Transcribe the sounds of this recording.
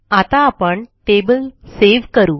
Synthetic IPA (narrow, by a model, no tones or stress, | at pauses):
ɐt̪ãɐpɐɳʈeːbəlseːʋkɐɾuː